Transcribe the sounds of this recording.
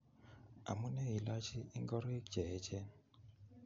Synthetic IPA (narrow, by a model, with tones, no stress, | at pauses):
a̰˨mu˦nɛ˦i˨la˦t͡ʃi˦i˦ŋɡɔ˦ɾi˦k̚d͡ʒɛ˨˦t͡ʃɛ˦n